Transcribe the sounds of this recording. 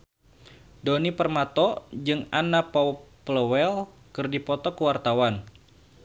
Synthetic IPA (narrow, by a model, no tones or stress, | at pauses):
donipərmat̪ɔd͡ʒɨŋanapɔpləwɛl | kɨrdipɔt̪ɔkəwart̪awan